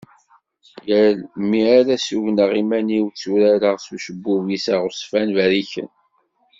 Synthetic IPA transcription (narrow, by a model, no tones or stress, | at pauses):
jælmiaɾæsuʝnəʁimæniwt͡sːuɾæɾəʁsuʃəbːuvisaʁʊsˤfænvæɾiçə̰n